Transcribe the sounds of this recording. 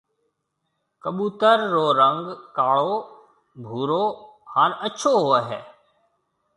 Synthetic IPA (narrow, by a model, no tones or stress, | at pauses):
kəɓuːt̪əɾːoːɾə̃ŋɡkaːɭo | bʱuːɾo | haːɾətːʃʰoɦoeɦɛ̰ː